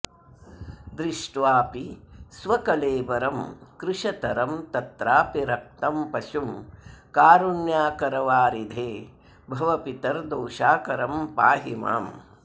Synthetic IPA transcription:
d̪ɾɪʂʈʋaːpisʋɐkɐleːbɐɾɐmkɾɪʃɐt̪ɐɾɐmt̪ɐt̪ɾaːpiɾɐk̚t̪ɐmpɐsumkaːɾunjaːkɐɾɐʋaːɾid̪ʱeː | bʱɐʋɐpit̪ɐɾd̪oːʃaːkɐɾɐmpaːɦima̰ːm

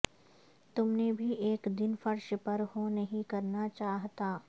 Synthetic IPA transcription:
t̪ʊmnebʱiʔeːkd̪ɪnfɐɾʃpɐɾhonɐɦĩkɐɾnat͡ʃaːɦt̪aː

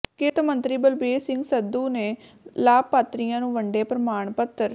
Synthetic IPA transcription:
kɪt̪mənt̪ɾiːbəlbeːsɪŋɡsəd̪uːneː | laːpːaːt̪ɾijãːnũːʋəɳɖeːpɾəmaːɳpət̪əɾ

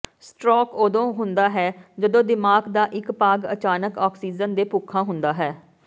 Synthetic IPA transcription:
sʈɾɔːkoːd̪õːɦʊnd̪aːɦɛːd͡ʒəd̪õːd̪ɪmaːɡd̪aːʔɪkpaːɡə̰t͡ʃaːnəkɔːksiːd͡ʒənd̪eːpʊkʰːãːɦʊnd̪aːɦɛː

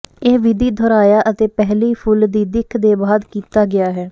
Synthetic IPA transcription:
eːʋɪd̪iːd̪ʱoːɾaːjaːʔət̪eːpɛɦliːpʰʊld̪iːd̪ɪkʰd̪eːbaːd̪kiːt̪aːɡɪaːɦɛː

